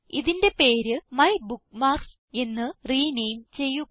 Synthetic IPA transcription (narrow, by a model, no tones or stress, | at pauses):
iðinde̞pe̞ːɾɨmɐjbukːmaːrks | e̞nːɨriːnejmt͡ɕe̞jːu